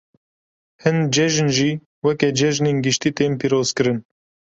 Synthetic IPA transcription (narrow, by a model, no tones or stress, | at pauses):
hɨnd͡ʒɛʒnʒiː | wɛkɛd͡ʒɛʒneːnɡɨʃt̪iːt̪eːmpiːɾoːz̥kɨɾɨn